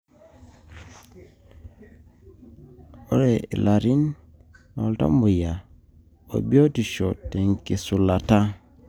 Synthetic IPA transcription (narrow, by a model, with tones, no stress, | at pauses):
o̰˦ɾeḭ˨laɾi˦n | o˨lta̰˦mbu˨ja˨ | o̰˨bi˦o˦ti˨ʃo˨te˨ŋke˨su˨la˨ta˦